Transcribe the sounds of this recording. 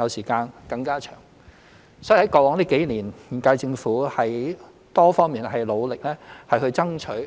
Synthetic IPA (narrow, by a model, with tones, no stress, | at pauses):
jɐ˨˧wsiː˨˩kaː˧nkɐ˧ŋkaː˥t͡ʃʰœ̰ː˨˩ŋ | sɔ˨˥˨hɐ˨˥jkɔː˨˧wɔː˨˥ŋliː˥ke˨˥jliː˨˩n̩ː˨˩kaː˧jt͡sɪ˧ŋfuː˨˥hɐ˨j | t̪ɔː˥fɔː˥ŋmiː˨nɦɐ˨jlo˨˧wlɪ˨k̚lɛː˥hɐ˨jhɵ˧ɥt͡sɐ˥ŋt͡ʃʰɵ˨˥